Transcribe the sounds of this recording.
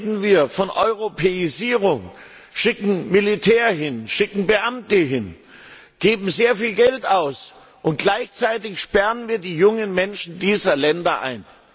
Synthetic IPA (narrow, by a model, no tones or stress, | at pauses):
dn̩viːɐfɔnʔɔʏʁ̞opʰeiziːʁʊŋ | ʃɪkŋ̩militʰɛːɐɦɪnʃɪkŋ̩bəʔamtəɦɪn | ɡ̥eːbm̩zeːɐfiːlɡɛltaʊs | ʔʊnt̚ɡ̥laɪçt͡saɪtɪçʃpɛʁənviːɐdiːjʊŋənmɛnʃn̩diːzɐlɛndɐʔa̰ɪn